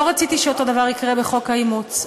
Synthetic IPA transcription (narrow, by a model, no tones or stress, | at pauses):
oʁat͡sit̪iʃeot̪o̞d̪avaʁikʁebeχo̞kaimut͡s